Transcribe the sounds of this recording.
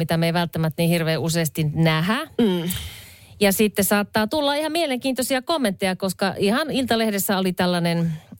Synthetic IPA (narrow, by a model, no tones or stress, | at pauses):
it̪æmeiʋælt̪ːæmæt̪ːnihirʋeːuseːst̪innæɦæ | jɑsit̪ːesɑːt̪ːɑːt̪ulːɑihɑmieleŋkiːnt̪osiɑkomːent̪ːejɑkoskɑʔihɑnilt̪ɑlehdesːæolit̪ælːænen